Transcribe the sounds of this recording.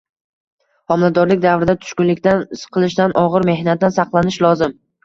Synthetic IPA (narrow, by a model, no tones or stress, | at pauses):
hɒmlad̪ɒɾlɪk̚ʲd̪avɾɪd̪at̪ʰʊ̥ʃkʲʊnlɪkʲt̪ansqʰɨlˠɪʃd̪anʔɒʁɨɾme̞hnat̪̚d̪ansɑqlˠanɪʃlˠɒzɪm